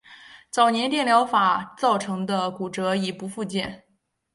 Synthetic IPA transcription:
t͡sɑ˨˩ʊnjɛ˧˥nt̪jɛ˥˩nljɑ˧˥ʊfa˨˩t͡sɑ˥˩ʊʈ͡ʂʰɤ˧˥ŋd̪ə˧ku˨˩ʈ͡ʂɤ˧˥i˨˩pu˧˥fu˥˧t͡ɕjɛ˥˩n

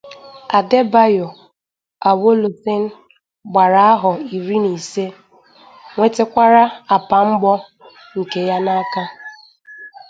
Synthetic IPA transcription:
a˨de˦ba˦jo˨ | a˨wo˦lo˨se˦n̩˦ | ɡ͡ba˨ɾa˨a˦ɦʊ˨i˨ɾi˦ni˨se˦ | ŋʷe˦te˦kʷa˦ɾa˦a˨pa˨ŋ͡m̩˦ɡ͡bɔ˦ | ŋ̩˨ke˦ja˦na˦ka˦

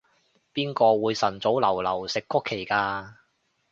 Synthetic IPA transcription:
piː˥nkɔː˧wuː˨˧jsɐ˨˩nt͡so˨˥wlɐ˨˩wlɐ˨˩wsɪ˨kːʊ˥kʰːe˨˩jkaː˧

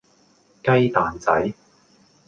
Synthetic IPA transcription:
kɐ˥jt̪aː˨nt͡sɐ̰˨˥j

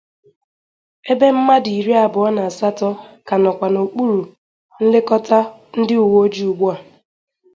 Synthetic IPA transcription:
e˦be˦m̩˦ma˦di˨i˨ɾi˦a˨bʊ˨ɔ˦na˨sa˦tɔ˦ka˨nɔ˨kʷa˨no˨k͡pu˦ɾu˨ | n̩˦lɪ˦kɔ˦ta˦n̩˦dɪ˦ʊ˨wo˦d͡ʒi˦u˨ɡ͡bu˦a˨

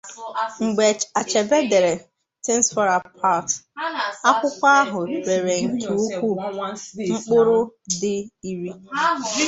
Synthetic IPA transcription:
ŋ͡m̩˨ɡ͡be˨a˨t͡ʃe˨be˦de˨ɾe˨ | te˦n̩˦sfɔ˦ɾa˨pʰa˦˨t | a˦kʷʊ˦kʷa˦ɦʊ˨ɾe˨ɾe˨ŋ̩˨ke˨u˦kʷu˦˨ŋ͡m̩˦k͡pʊ˦ɾʊ˦dɪ˦i˦ɾi˦

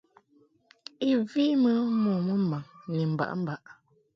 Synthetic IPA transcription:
i˦vi˦mə˦mɔ˨mə˦m̩˦˨ba˨ŋni˨m̩˨ba̰˨ʔm̩˦ba˨ʔ

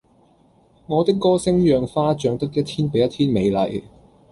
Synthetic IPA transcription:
ŋɔː˨˧t̪ɪ˥kːɔː˥sɪ˥ŋjœː˨ŋfaː˥t͡ʃœː˧ŋt̪ɐ˥k̚jɐ˥t̪ʰiː˥npe˨˥jɐ˥t̪ʰiː˥nme˨˧jlɐ̰˨˩j

